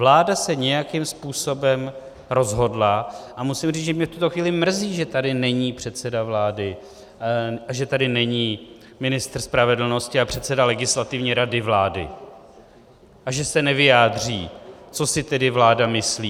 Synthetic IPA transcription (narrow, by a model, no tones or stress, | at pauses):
vlaːdasɛɲɛjakɪmspuːso̞bɛm | ɾo̞zɦo̞dlaʔamusɪmriːʒɛmɲɛft̪ut̪o̞xviːlɪmr̩ziːʒɛt̪adɪnɛɲiːpr̥ɛt̪t͡sɛdavlaːdɪ | aʒɛt̪adɪnɛɲiː | mɪnɪst̪r̩spɾavɛdl̩no̞scɪapr̥ɛt̪sɛdalɛɡɪslat̪ɪvɲiːɾadɪvlaːdɪ̰ | ʔaʒɛsɛnɛvɪjaːd̪r̝iːt͡so̞sɪt̪ɛdɪvlaːdamɪsliː